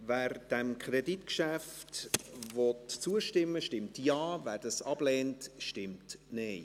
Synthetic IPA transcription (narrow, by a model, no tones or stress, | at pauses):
vɛːɾd̥ɛmkʰreditkʃæftvɔtt͡suəʃtɪmːəʃtɪmtjɑːvæːdɑsɑb̥lɛːntʃtɪmtneɪ